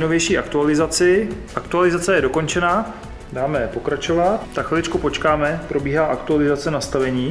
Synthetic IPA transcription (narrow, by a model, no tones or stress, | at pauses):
jnovjɛjʃiːʔakt̪ualɪzat͡sɪʔakt̪ualɪzat͡sɛjɛdo̞ko̞nt͡ʃɛnaː | daːmɛpo̞kɾat͡ʃo̞vat̪̚ːakxvɪlɪt͡ʃkupo̞t͡ʃkaːmɛpɾo̞biːɦaːʔakt̪ualɪzat͡sɛnast̪avɛɲiː